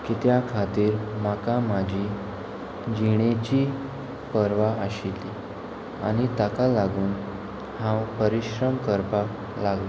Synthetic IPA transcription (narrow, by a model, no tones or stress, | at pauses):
kit̪jakʰat̪iːɾmakamad͡ʑʱiː | d͡ʑiɽ̃et͡ɕiː | pəɾʋaəɕili | a̰ñit̪akalaɡuːn | hãwpəɾiɕɾəmkəɾpa | laɡle